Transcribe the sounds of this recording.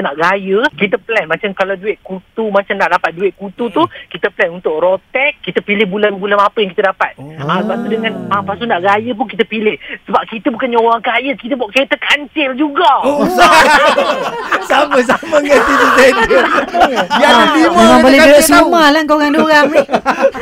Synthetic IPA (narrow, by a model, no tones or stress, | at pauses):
iənaʔɡajəkit̪əplɛnmãt͡ʃamkalawduɪʔkut̪umãt͡ʃamnaʔdapat̪̚duɪʔ̚kut̪ut̪ukit̪əplɛnunt̪ʊk̚rot̪ɛk̚ːit̪əpilɪhbulanbulanapəjaŋkit̪ədapat̪̚asəbap̚t̪udəŋãnapasunaʔɡajəp̬unkit̪əpilɪhsəbap̚kit̪əbukanɲowaŋkajəkit̪əbaʔket̪əkaɲt͡ʃɪld͡ʒuɡaa | saməs̬aməŋant̪idit̪ad | jauemaŋbolɛəʔsəumalaŋkaoɾaŋduɾaŋn